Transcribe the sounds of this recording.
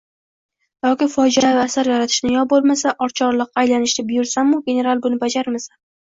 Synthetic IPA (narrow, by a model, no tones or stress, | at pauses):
jɒkʲɪfɒd͡ʒavːsaɾjaɾat̪ʰɪ̥ʃnɪjɒbolˠmasaʔɒɾt͡ʃʰɒɾlˠɨqajlanɪʃlabɪjʊɾsamːʊɡʲe̞ne̞ɾalˠbʊnɪbad͡ʒaɾmasa